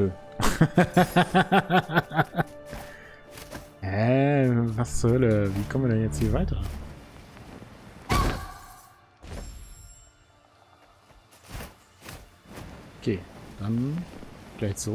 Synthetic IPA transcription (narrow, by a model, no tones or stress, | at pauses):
ə | hɛ | vashœləviːkʰɔmviədɛnjɛt͡sthiːɐvaɪtɐ | ʔokʰeːd̥an | ɡ̥laɪçz̥o